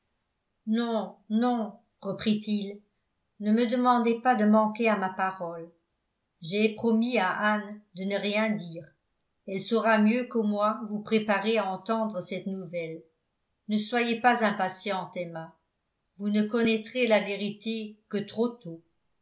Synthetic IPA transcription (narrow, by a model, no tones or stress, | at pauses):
nɔ̃nɔ̃ | ʁəpχit̪il | nəməd̪əmɑ̃d̪epad̪əmɑ̃keamapaʁɔl | ʒeɛpχɔmiaʔand̪ənəʁjɛ̃d̪iːʁ | ɛlsɔʁamjøkəmwavupχepaʁeaɑ̃t̪ɑ̃d̪ʁəsɛt̪nuvɛl | nəswajepazɛ̃pasjɑ̃t̪ɛma | vunəkɔnɛt̪χelaveʁit̪ekət̪χot̪o